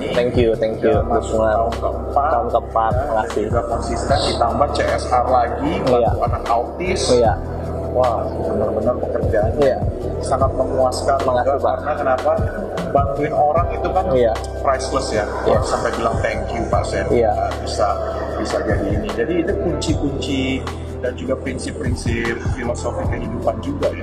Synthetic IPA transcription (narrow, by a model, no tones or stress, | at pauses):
t̪ɛŋkjut̪ɛŋkjudʊsməŋaʊnkəəmpaaʊnkəəmpat̪̚məŋart̪iɡakɔnsist̪ɛndit̪ambaht͡ʃeɛsharlaɡilajakanakaut̪ɪsja | wa | bənərbənərpəkərd͡ʒaːnɲaja | saŋat̪̚məmuaskanməŋaipa̰ʔnakənapa | bant̪uɪnoɾaŋit̪ukanja | pɾajsləsja | jaŋsampajbilaŋt̪ɛŋkjupa̰ʔsɛnjabisa | bisad͡ʒadiːnid͡ʒadiːtukuɲt͡ʃikuɲt͡ʃi | dand͡ʒuɡapɾinsɪpːɾinsɪp̚filosofiakəɦidupand͡ʒuɡaʔja